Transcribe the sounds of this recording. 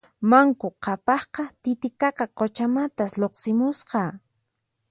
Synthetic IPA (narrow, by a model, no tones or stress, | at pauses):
maŋkʊqʰɑpɑχqɑt̪ɪt̪ɪkɑqɑqot͡ʃamat̪asloqsɪmʊsqɑː